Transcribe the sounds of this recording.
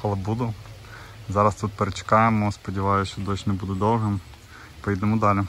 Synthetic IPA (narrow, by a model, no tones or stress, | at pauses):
xɐlˠɐbud̪ʊ | zɑɾɐst̪ut̪̚peɾet͡ʃɪ̥kɑjemɔspɔdʲɪʋɑjʊst͡ʃɔd̪ɔsʲnɛbud̪ʊd̪ɔw̪ˠɦɛ | pɔjid̪ɛmɔd̪ɑlʲɪ